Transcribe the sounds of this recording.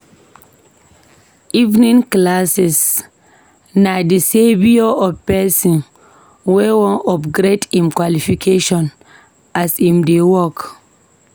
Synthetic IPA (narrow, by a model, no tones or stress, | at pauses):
ʔivnĩŋklasɛs | nadisebioɔpɛsĩn | wɛwɔ̃nɔbɡɾetĩmkwalifikʰeʃɔ̃n | asĩmdewɔk